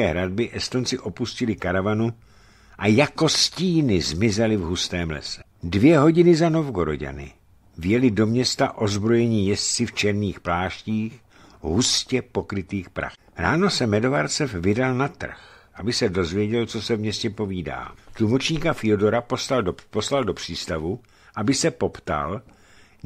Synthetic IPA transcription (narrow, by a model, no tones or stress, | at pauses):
ɛːɦɾad̚bɪʔɛst̪o̞nt͡sɪʔo̞puscɪlɪkaɾavanu | ʔajako̞sciːnɪzmɪzɛlɪvɦust̪ɛːmlɛ̰sɛ̥ | dvjɛɦo̞ɟɪnɪzano̞vɡo̞ɾo̰ɟa̰nɪ̰ | vjɛlɪdo̞mɲɛst̪aʔo̞zbɾo̞jɛɲiːjɛst͡sɪft͡ʃɛɾniːxplaːʃciːx | ɦuscɛpo̞kɾɪt̪iːxpɾa̰x | ɾaːno̞sɛmɛdo̞vaɾt͡sɛfvɪdalnat̪r̩xʔabɪsɛdo̞zvjɛɟɛlt͡sosɛvmɲɛscɛpo̞viːda̰ːt̪lumot͡ʃɲiːkafɪodo̞ɾaposlaldopo̞slaldopr̝̥iːst̪avu | ʔabɪsɛpo̞pt̪a̰l